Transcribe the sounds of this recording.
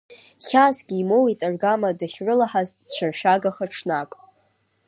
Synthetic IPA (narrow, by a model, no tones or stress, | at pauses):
χʲazɡʲiːmowitʼarɡamadaχʲʕʷʊlaħaztʼt͡ɕʷʰarʃᶣaɡaχaʈ͡ʂʰnakʼ